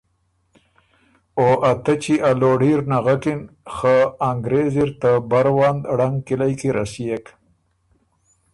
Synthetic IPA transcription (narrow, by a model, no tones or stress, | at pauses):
oʔat̪at͡ʃiʔaloɽɖiɾnaɣakɪnxaːŋɡɾeziɾt̪abaɾwand̪aɽaŋkilajkiɾasijek